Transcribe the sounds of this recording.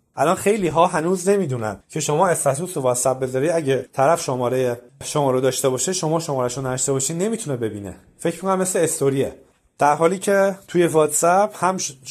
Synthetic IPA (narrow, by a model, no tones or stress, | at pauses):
ʔælɒnxe̞jliːɦɒːɦænuːzne̞miːd̪uːnæ̰ncʰe̞ʃo̞mɒːest̪æt̪ʰuːsovɒːt̪sæb̚be̞zɒːɾiːd̪æɟet̪ʰæɾæfʃomɒːɾejeʃomɒːɾod̪ɒːʃt̪e̞bɒːʃeʃomɒːʃomɒːɾæʃunːæd̪ʃt̪ebɒːʃiːd̪ne̞miːt̪ʰunebe̞biːne̞̰ | fecʰmikonæmːesleːst̪oɾie | d̪̥æɾɦɒːliːcʰe̞t̪ʰuːje̞vɒːt̪sæpbhæm